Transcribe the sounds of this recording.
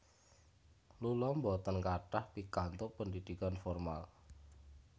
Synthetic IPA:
lulɔmbɔt̪ɔnkaʈahpikant̪oʔpəɳdid̪̥ikanfɔrma̰l

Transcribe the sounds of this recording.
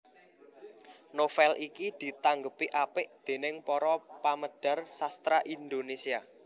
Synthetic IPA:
nofɛlʔikid̪̥i̤t̪aŋɡəpiʔapɪʔd̪̥e̤nɪŋpɔɾɔpaməɖ̥ä̤rsast̪ɾaʔind̪onesia

